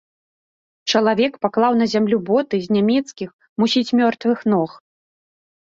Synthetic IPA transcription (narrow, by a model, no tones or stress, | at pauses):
t͡ʂɐlˠavʲɛkpaklˠawn̪ɐzʲamlʲubɔt̪ɨzʲnʲamʲɛt̪skʲix | musʲit͡sʲmʲɔrt̪vɨxnɔx